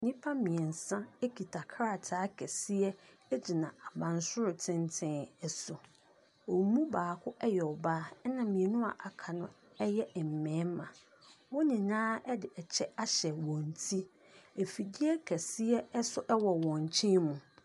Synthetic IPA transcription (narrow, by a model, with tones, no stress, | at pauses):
nĩ˦pʰa˦mĩ˨ɛ˨n̩˨sã˦e˦kʰi˨tʰa˨kʰɾa˦˨tʰaː˦kʰɛ˨si˦ɛ˦ | ɛ˦d͡ʑi˨nã˨a˨bã˨nsʊ˦ɾʊ˨tʰɪ̃˦ntʰɪ̃˦nɛ˨sʊ˨ | o˨˦mũ˦baː˨kʰʊ˦ʔɛ˦jɛ˨ɔ˨baː˦nã˨mĩ˨ɛ˨nʊ̃˦a̰˨ʔa˨kʰa˨nʊ̃˦ | ɛ˦jɛ˦˨m̩˨mɛ̃ː˨˦m˦mã̰˨ | wɔ˦nĩ˨nãː˦ɛ˦dɪ˨ʔɛ˨t͡ɕʰɛ˦a˦ɕɛ˨wɔ̃˨n˨tʰi˦ | e˨fi˨di˦ɛ˦kʰæ˨si˦ɛ˦ɛ˦sʊ˦ʔɛ˦wɔ˨wɔ̃˨ɲ˨t͡ɕʰĩ˦mũ˨